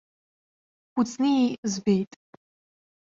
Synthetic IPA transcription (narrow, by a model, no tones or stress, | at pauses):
χut͡sʰʼniizbejtʼ